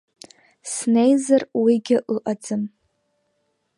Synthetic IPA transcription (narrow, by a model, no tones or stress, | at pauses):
sne̞jzarwiɡʲɪʔɨʔʼad͡zɨm